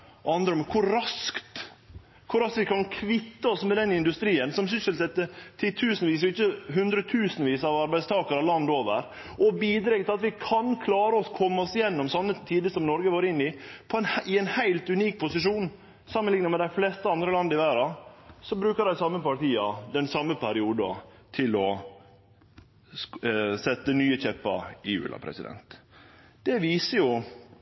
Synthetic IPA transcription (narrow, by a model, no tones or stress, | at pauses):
ɑnd̪ɾəɔmkʰʊɾːɑskt̪ | kʰʊɾɑskʋɪkʰɑnkʰʋɪt̪ːəɔsmɛd̪ɛnɪnd̪ʉst̪ɾiːənsɔmsʏsəlsɛt̪ːət̪ʰːɪt̪ʰʉːsnʋiːs̬ɔɪçːəɦʉnd̪ɾət̪ʰʉːsənʋiːsɑʋɑɾbæɪst̪ʰɑːkəɾɑʋlɑnd̪oːʋə̰ɾ | ʔɔbiːd̪ɾɛɡt̪ɪlɑt̪ʋɪkʰɑnkʰlɑːɾəɔskʰɔmːəɔsɪjɛnːɔmsɑnːət̪ʰiːd̪əsɔmnɔɾɡəʋoːɾəɪnːɪpʰɔɛnhɪɛɪnhæɪlt̪ʉniːk̚pʰʊsɪʂuːn | sɑmənlɪŋnəmɛd̪æɪflɛst̪əɑnd̪ɾəlɑnd̪əɪʋæːɾɑsɔbɾʉːkəɾd̪æɪsɑmːəpɑʈ̪iːɑd̪ɛnsɑmːəpʰæɾɪuːd̪ɑ̰t̪ʰɪlɔ | sɛt̪ːənyːəçɛpːɑ̰ɾɪjʉ̰ːlɑ̰pʰɾɛ̰sɪ̰d̪ɛ̰nt̪ | d̪̥ɛʋiːsəjʊ